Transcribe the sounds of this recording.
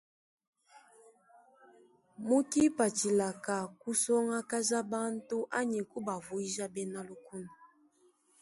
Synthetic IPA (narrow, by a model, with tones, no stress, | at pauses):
mu˦ki˦pa˨t͡ʃi˨la˨ka˨ku˦sɔ˦ŋa˦ka˦za˦ba˦n˦tu˦ʔa˦ɲi˨ku˦ba˨vu˨i˦ʒa˦bɛ˦na˦lu˦ku˦na˨